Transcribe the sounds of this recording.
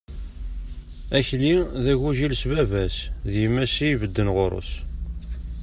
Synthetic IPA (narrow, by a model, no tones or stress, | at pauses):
æçliðæʝuʒilsbævæsðjəmæsijvəd̪ːənʁoɾˤo̰s